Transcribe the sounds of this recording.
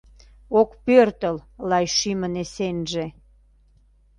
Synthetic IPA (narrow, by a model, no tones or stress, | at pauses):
okpørt̪əllɑjʃymənesenʒe